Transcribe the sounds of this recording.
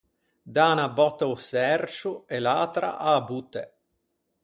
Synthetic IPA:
d̪aːnabɔt̪ːausɛrt͡ʃuelaːt̪ɾa̰ʔabut̪ːḛ

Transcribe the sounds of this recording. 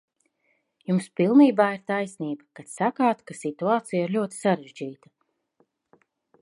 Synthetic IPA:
jumspilˠniːbaːiɾt̪ajsniːbakat̪sakaːt̪kasit̪uaːt̪sijaiɾlʲuɔt̪i̥saɾeʒd͡ʒiːt̪a

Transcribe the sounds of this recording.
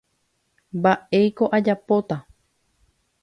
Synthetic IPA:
baʔejko̞ʔad͡ʒapo̞t̪a

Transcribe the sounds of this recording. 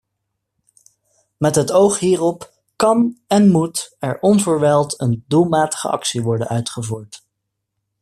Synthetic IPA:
mɛtɦətowχɦiːrɔp | kɑnɛnmutɛ̰ɹɔnvəɹʋɛlˠtəndulˠmaːtə̥χə̰ɑ̰ksiʋɔɹdənœɥtχəvuːɹt

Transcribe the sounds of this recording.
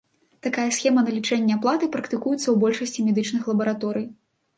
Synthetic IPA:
t̪akajɐsxʲɛmɐnɐlʲit͡ʂɛnʲːɛaplˠat̪ɨpɾɐkt̪ɨkujut̪sːɐwbɔlʲʂɐsʲt͡sʲimʲɛd̪ɨt͡ʂnɨxlˠɐbɐɾat̪ɔɾɨj

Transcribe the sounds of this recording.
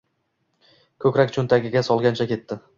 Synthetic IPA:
kʰɵkʲɾakʲt͡ʃʰɵnt̪ʰaɡʲɪɡʲasɒlˠɡʲant͡ʃʰakʲe̞t̪ːɪ

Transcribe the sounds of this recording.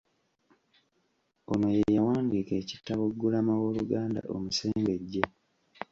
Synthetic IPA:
ono̞jejawaːnɡiːke̞ːci̥tːaβoɡːulamawo̞ːluɡaːnda̰ʔo̰muse̞ːmbe̞ɟːe

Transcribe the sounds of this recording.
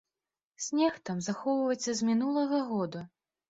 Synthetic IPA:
sʲnʲɛxt̪amzaxɔwvɐjt̪sʲːɐzmʲinulˠɐɣɐɣɔd̪u

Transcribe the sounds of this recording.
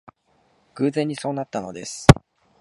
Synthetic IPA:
ɡ̥ɯ̟ːzẽ̞ɲ̟ːiso̞ːnat̪ːano̞̰d̪e̞sɨ̥

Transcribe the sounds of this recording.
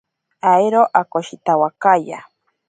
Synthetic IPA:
ajɾoʔakoʃit̪awakaja

